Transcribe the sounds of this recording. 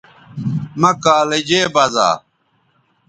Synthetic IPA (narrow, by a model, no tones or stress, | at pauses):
mɐkaːled͡ʑeːbɐza̰ː